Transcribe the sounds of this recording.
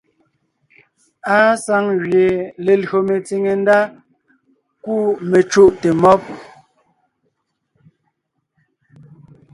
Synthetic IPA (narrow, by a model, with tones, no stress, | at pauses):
a˦sa˦ŋɣɥje˨le˨lɰo˨me˨t͡si˨ŋe˨n˦da˦ | ku˦˨me˨t͡ʃu˦ʔte˨mɔ˦p̚